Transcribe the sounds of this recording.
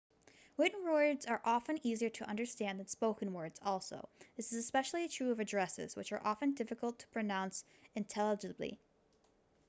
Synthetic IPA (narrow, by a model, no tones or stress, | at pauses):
wɪʔn̩ɹɔɪdzə˞ʔɑfɨ̃niziə˞ɾʰəʔʌ̃ndə˞stæ̃nðɨ̃nspoʊkɨ̃nwɜ˞dz̥ɔlˠso̰ʊðɪsɨzɨspɛʃl̩ˠiɨtʰɹ̥ʉʌvɨdɹɛsɪ̰z̥wɨ̰t͡ʃə̰˞ʔɑfɨ̃ndɪfɨkl̩ˠtʰə̥pʰɹ̥ɨnãʊ̃ns | ɨ̃ntʰɛlˠəd͡ʒɨblḭ